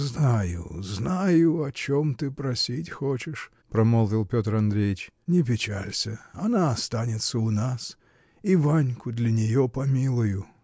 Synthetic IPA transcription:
znajʊ̰znajʊɐt͡ɕo̞mt̪ɨpɾɐsʲitʲxot͡ɕɪʂ | pɾɐmolˠvʲɪlˠpʲot̪rɐnd̪ɾʲejɪt͡ɕ | nʲɪp̬ʲɪt͡ɕalʲsʲəɐnaɐst̪anʲɪt̪səʊnas | ivanʲkʊd̪lʲɐnʲɪjopɐmʲilˠʊjʊ

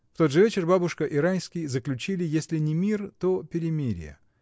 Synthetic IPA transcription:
ft̪o̞d̪ʐɨvʲet͡ɕɪrbabʊʂkəʔɪɾanʲsʲkʲɪjzəklʲʉt͡ɕilʲɪjesʲlʲɪnʲɪmʲirt̪opʲɪɾʲɪmʲiɾʲɪ̰jə̰

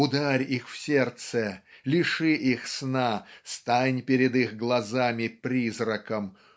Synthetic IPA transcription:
ʊd̪aɾʲixfsʲert̪səlʲɪʂɨʔixsnast̪anʲpʲɪɾʲɪd̪ixɡlˠɐzamʲɪpɾʲizrəkəm

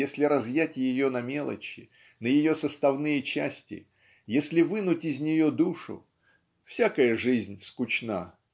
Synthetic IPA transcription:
jesʲlʲɪɾɐzjætʲjɪjo̞nɐmʲe̞lˠə̰t͡ɕɪ | nəjɪjosəst̪ɐvnɨjət͡ɕæsʲtʲɪ̰ | jesʲlʲɪvɨnʊtʲɪzʲnʲɪjo̞d̪uʂʊ̰ | fsʲakəjəʐɨzʲnʲskʊt͡ɕna̰

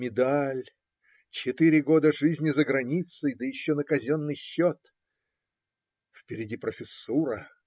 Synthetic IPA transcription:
mʲɪd̪alʲ | t͡ɕɪt̪ɨɾʲɪɡod̪əʐɨzʲnʲɪzəɡɾɐnʲit̪sɨjd̪əjɪɕːonəkɐzʲonːɨjɕːot̪ | fpʲɪɾʲɪdʲipɾəfʲɪsːuɾə

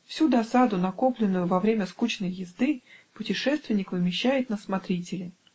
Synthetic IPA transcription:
fsʲud̪ɐsad̪ʊnɐko̞plʲɪnːʊjʊvɐvɾʲemʲəskut͡ɕnəjjɪzd̪ɨpʊtʲɪʂɛst̪vʲɪnʲːɪkvɨmʲɪɕːæjɪt̪̚nəsmɐt̪ɾʲitʲɪlʲɪ

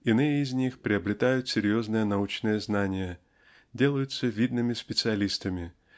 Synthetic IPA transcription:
ɪnɨjəɪzʲnʲixpɾʲɪɐbɾʲɪt̪ajʊt̪sʲɪɾʲjo̞znɨjənɐut͡ɕnɨjəznanʲɪjə | dʲe̞lˠəjʊt̪səvʲid̪nɨmʲɪspʲɪt̪sɨɐlʲist̪əmʲɪ

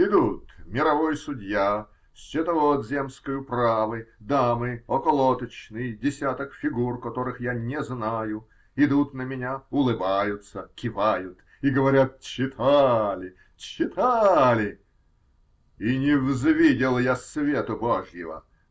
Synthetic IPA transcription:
ɪd̪ut̪mʲɪɾɐvojsʊdʲja | sʲt͡ɕɪt̪ɐvot̪zʲe̞mskəjʊpravɨd̪amɨɔkɐlˠot̪ət͡ɕnɨjdʲɪsʲat̪əkfʲɪɡurkɐt̪oɾɨxjanʲɪznajʊ | ɪd̪ut̪nəmʲɪnʲaʊlˠɨbajʊt̪səkʲɪvajʊt̪ | iɡəvɐɾʲat̪̚t͡ɕːɪt̪ʰalʲɪ | t͡ɕːɪt̪ʰalʲɪ | inʲɪvzvʲidʲɪlˠjasvʲet̪ʊboʐjɪvə̰

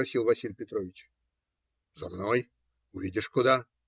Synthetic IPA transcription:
ɐsʲilˠvɐsʲilʲpʲɪt̪ɾovʲɪt͡ɕ | zɐ̰mnoj | ʊvʲidʲɪʂkʊd̪a

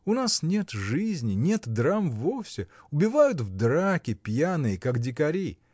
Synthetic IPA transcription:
ʊnasnʲe̞t̪ʐɨzʲnʲɪnʲe̞t̪d̪ɾamvofsʲɪʊbʲɪvajʊt̪vd̪ɾakʲɪpʲjanɨjɪkakdʲɪkɐɾʲi

